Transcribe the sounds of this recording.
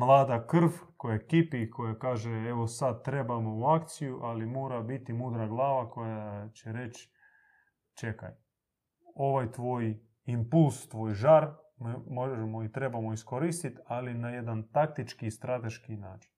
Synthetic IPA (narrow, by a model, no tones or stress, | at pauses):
mlˠaːd̪akr̩fko̞jakipikʰo̞jakaːʒeeʋo̞sad̪̚t̪ːɾe̞bamo̞uakt̪sijuʔalimoːɾabit̪imuːd̪ɾaɡlˠaːʋako̞jat͡ɕeɾe̞t͡ɕ | t͡ʃe̞ka̰j | o̞ʋajt̪ʋoːj | impulst̪ʋoːjʒaɾmmoʒemo̞it̪ɾe̞bamo̞iskoɾist̪it̪alinaje̞d̪ant̪ak̚t̪it͡ʃkiːst̪ɾat̪eʃkinaːt͡ʃi̥n